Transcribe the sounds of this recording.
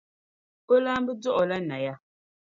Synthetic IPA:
o˦la˦m˦bə˦d͡zɔ˦ʔɔ˨la˦na˨ja˦˨

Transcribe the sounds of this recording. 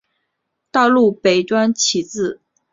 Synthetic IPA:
t̪ɑ˥˧ʊlu˥˩pe˨˩ɪʈ͡ʂwa˥nt͡ɕʰi˧˥t͡sɹ̩˥˩

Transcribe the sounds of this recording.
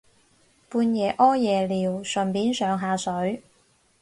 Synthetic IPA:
puː˧njɛː˨ʔɔː˥jɛː˨liː˨wsɵ˨˩npiː˨˥nsœː˨˧ŋɦaː˨˧sɵ˨˥ɥ

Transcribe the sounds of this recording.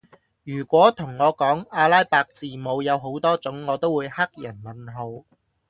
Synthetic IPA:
jyː˨˩kʷɔː˨˥t̪ʰʊ˨˩ŋːɔː˨˧kɔː˨˥ŋaː˧laː˥jpaː˧k̚t͡siː˨mo˨˧wjɐ˨˧wɦo˨˥wt̪ɔː˥t͡sʊ˨˥ŋːɔː˨˧t̪o˥wuː˨˧jhɐ˥k̚jɐ˨˩nmɐ˨nɦo˧w

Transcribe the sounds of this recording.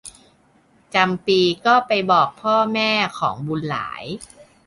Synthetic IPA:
t͡ɕa˧mpiː˧kɔː˥˩pa˧jbɔː˨˩k̚pʰɔː˥˩mɛː˥˩kʰɔ̰ː˩˦ŋbu˧nla̰ː˩˦j

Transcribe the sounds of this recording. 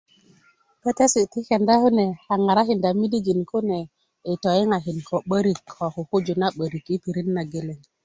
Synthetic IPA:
pe˦te˦si˨ti˦ke˨nda˦ku˦ne˨a˨ŋa˨ɾa˦ki˨nda˨mi˦di˦ɡi˨nku˦ne˨ | i˨tɔ˨i˦ŋa˨ki˨nko˨ɓə˦ɾi˨kʰːo˨ku˨ku˦d͡ʒu˨na˦ɓə˨ɾi˨ki˦pi˨ɾi˦nːa˨ɡe˨le˨ŋ

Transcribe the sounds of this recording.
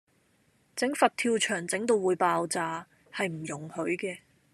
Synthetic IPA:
t͡sɪ˨˥ŋfɐ˨t̚t̪ʰiː˧wt͡ʃʰœː˨˩ŋt͡sɪ˨˥ŋt̪o˧wwuː˨˧jpaː˧wt͡saː˧ | hɐ˨jm̩˨˩jʊ˨˩ŋhɵ˨˥ɥkɛː˧

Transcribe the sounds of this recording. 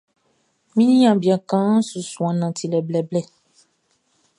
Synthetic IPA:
mĩ˦nĩ˦ã˨bi˨a˨kã˦su˨sũ˨ã˨nã˨ti˨lɛ˨blɛ˨blɛ˦

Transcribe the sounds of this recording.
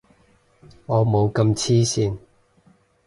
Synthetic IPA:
ŋɔː˨˧mo˨˧wkɐ˧mt͡sʰiː˥siː˧n

